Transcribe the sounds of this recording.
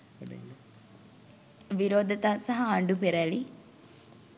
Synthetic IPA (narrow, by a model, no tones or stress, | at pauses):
ʋiɾoːd̪ɐt̪aːsɐɦɐːɳɖupeɾæli